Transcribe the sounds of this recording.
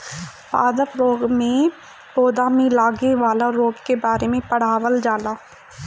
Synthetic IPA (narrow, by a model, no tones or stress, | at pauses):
pa̰ːd̪əpɾoːɡmẽ | poːd̪aːmẽlaːɡeʋaːlaɾoːɡkebaːɾemẽpɐɽ̤aːʋəld͡ʒaːlaː